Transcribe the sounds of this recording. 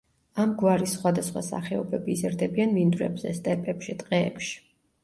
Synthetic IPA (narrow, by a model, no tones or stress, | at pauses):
amɡwaɾisːχwad̪asχwa̰sa̰χɛɔbɛbiːzɛɾd̪ɛbianvind̪uɾɛ̰bzɛ̰st̪ʼɛpʼɛpʃit̪ʼqʼɛ̰ːpʃi̥